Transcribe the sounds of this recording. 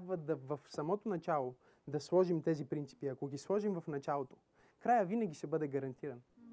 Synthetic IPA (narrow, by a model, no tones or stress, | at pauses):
abvəd̪ɐvɐfsɐmɔt̪onɐt͡ʃalˠo | d̪ɐslˠɔʒimt̪ɛzipɾintsi̥piɐkoɡʲislˠɔʒimvɐfnɐt͡ʃalˠot̪o | kɾajəvinɐɡʲiʃɛbɤd̪ɛɡɐɾɐnt̪iɾɐn